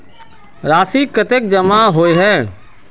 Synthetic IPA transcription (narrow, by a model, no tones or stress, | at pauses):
ɾaːsikət̪ek̚d͡ʒəmaɦoːeɦɛː